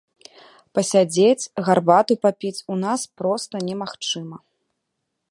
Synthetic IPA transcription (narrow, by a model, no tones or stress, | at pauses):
pɐsʲad͡zʲet͡sʲɣarbat̪upapʲit͡sʲunaspɾɔst̪ɐnʲɛmaxt͡ʂɨmɐ